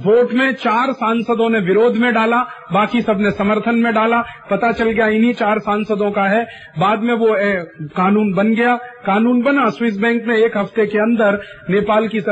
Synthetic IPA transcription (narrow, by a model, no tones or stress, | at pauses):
ʋoːʈmẽt͡ʃaːɾsãːnsəd̪õneʋɪɾoːd̪ʱmẽɖaːlabaːkisɐbnesɐməɾt̪ʰənmẽɖaːlapɐt̪at͡ʃɐlɡɐjaɪnɦit͡ʃaːɾsãːnsəd̪õkaɦɛ | baːd̪mẽʋokaːnuːnbɐnɡɐjakaːnuːnbɐnaswɪs̬bɛ̃ːŋkmẽeːkɦɐft̪ekeɐ̃nd̪əɾ | neːpaːlki